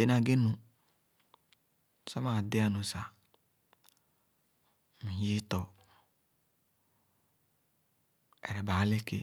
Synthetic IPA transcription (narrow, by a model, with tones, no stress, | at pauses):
e˨˦na˨ɡe˦nũ˨ | sɔ˦ma˨dɪ˦a˦nũ˨sa˨ | mĩ˨ɦi˦tɔ˨ | ɛ˨ɾɛ˨ba˨˦le˦ke˦